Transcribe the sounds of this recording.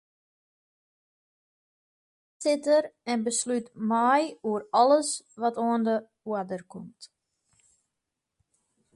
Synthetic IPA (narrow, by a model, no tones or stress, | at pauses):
sɪtərɛnbəslytmajuəɾɔləsʋɔtoəndə | uədərkumt